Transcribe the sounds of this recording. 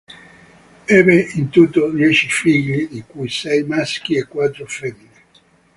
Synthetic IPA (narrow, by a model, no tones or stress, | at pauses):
ɛbeint̪ut̪ːod̪jɛt͡ʃifiɡlid̪ikujsɛjmask̟iekːwat̪ːɾofɛmːini